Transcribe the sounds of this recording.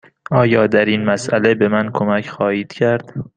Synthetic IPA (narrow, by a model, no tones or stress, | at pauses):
ʔɒːjɒːd̪æɾinmæsʔæle̞be̞mænkʰomæcʰxɒːhiːd̪̥cʰæɾd̪̥